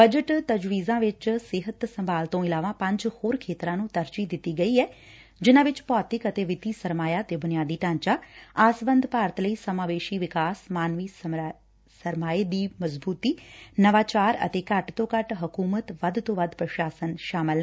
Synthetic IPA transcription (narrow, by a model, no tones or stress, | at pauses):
bəd͡ʒəʈt̪əd͡ʒʋiːzãːʋɪt͡ʃsɪɦət̪səmbʱaːlt̪õːɪlaːʋãːpə̃ɲd͡ʒhoːɾkʰeːt̪ɾãːnũːt̪əɾt͡ʃiːd̪ɪt̪ːiːɡəiːɛː | d͡ʒɪnãːʋɪt͡ʃpɔːt̪ɪkət̪eːʋɪt̪iːsəɾmaːjaːt̪eːbʊnɪjaːd̪iːʈãːɲt͡ʃaːaːsʋə̃nd̪ʱpaːɾət̪ləiːsəmaːʋeːʃiːʋɪkaːsmaːnʋiː | səɾmaːeːd̪iːməzbuːt̪iːnəʋaːt͡ʃaːɾə̰t̪eːkəʈt̪õːkəʈɦəkuːmət̪ʋəd̪t̪õːʋəd̪pɾəʃaːsənʃaːmɪlː